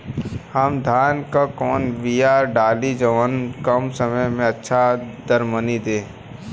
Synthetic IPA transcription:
həmd̪ʱaːnkakɔːnʋijaːɾɖaːlid͡ʒəʋənkɐmsəməjmẽɐtːʃʰad̪əɾmənid̪ẽː

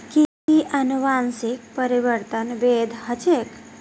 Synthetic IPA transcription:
ki | iʔənuʋansɪk̚pəɾiʋəɾt̪ənʋed̪ʱɦət͡ʃek

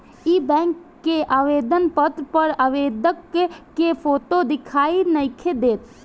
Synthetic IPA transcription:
ibɛ̃ːŋkːeʔaːʋeːd̪ənpət̪ɾpəɾaːʋeːd̪əkːepʰoːʈod̪ɪkʰaːinɐɪkʰed̪eːt̪

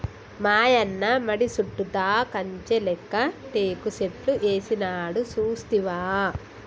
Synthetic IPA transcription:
maːjɐnːɐmɐɽisuʈːud̪aːkɐɲt͡ʃelɛkːɐt̪eːkuseʈluʔeːsinaːɽusuːst̪iʋaː

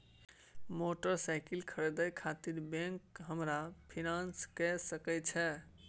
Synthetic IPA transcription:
moʈəɾsaɪkilkʰəɾd̪əjkʰat̪iɾbẽŋkɦəmɾapʰinãnskɛsəkɛt͡ʃʰɛ

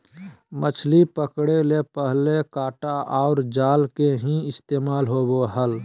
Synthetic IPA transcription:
mət͡ʃʰlipəkɽelepəɦlekaːʈaʔɔːʊɾd͡ʒaːlkeɦĩɪst̪eːmaːlɦoːboɦəl

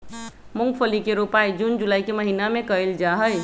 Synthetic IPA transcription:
muŋɡpʰəlikeɾupajd͡ʒund͡ʒulaikeməɦinamekəeld͡ʒaɦəj

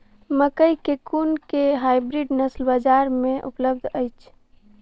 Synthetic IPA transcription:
məkəjkekunkeɦajbɾiɖnəslbad͡ʒaɾmẽʔṵpləb̚d̪ʱəjt͡ʃʰ

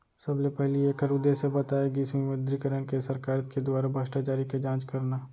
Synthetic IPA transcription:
sɐblepɛɦlieːkʰəɾʊd̪esebɐt̪aːeɡiɪsmimẽd̪ɾikəɾəñkesɐɾkaːɾt̪ked̪waːɾabʱəsʈat͡ʃaːɾiked͡ʒãːt͡ʃkɐɾnaː

